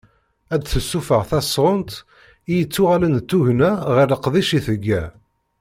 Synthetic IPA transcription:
æd̪θəsːufəʁθæsʁʊnt̪ | ijət͡sːʊʁælənt̪ːuʝnæʁiɾəqðiʃiθəɡːæ

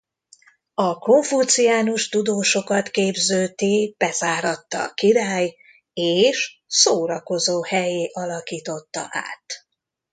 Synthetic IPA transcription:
ɒko̞ɱfut̪sijaːnuʃt̪ud̪oːʃo̞kɒt̪keːbzøːt̪ib̥ɛzaːɾɒt̪ːɒ̰ːkiɾaːj | eːʃsoːɾɒko̞zoːhɛjeːʔɒlɒkiːt̪o̞t̪ːɒ̰ʔa̰ːt̪

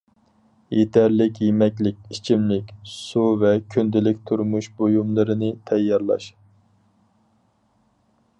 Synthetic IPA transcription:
jet̪ʰæɾlɪkʲjemɛkʲlɪkʲit͡ʃʰimlɪkʲsuvɛkʲʰynd̪ɪlɪk̚ʲt̪ʰuɾmuʃbojumlˠɨɾɨnɨt̪ʰɛjːɑɾlˠɑ̰ʃ

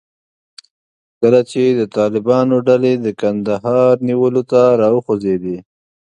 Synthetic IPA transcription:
kəlat͡ʃed̪ət̪ɑlɪbɑnoɖaled̪əkand̪aɦɑɾniwəlot̪aɾɑwəxozed̪i

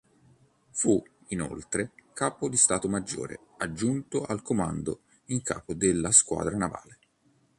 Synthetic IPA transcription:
fu | ino̰lt̪ɾekaːpod̪ist̪aːt̪omad͡ʒːo̰ːɾḛad͡ʒːunt̪oʔalkomand̪o | iŋkʰa̰ːpod̪elːaskwa̰ːd̪ɾanava̰ːle

